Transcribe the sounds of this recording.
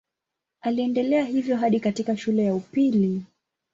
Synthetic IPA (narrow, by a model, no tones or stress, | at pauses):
aliɛndɛlɛaɦivjɔɦaɗikatikaʃulɛjaupili